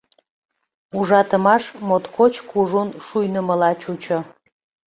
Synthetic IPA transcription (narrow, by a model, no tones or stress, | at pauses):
uʒɑt̪əmɑʃmot̪kʰot͡ɕkuʒunʃujnəməlɑt͡ɕut͡ɕo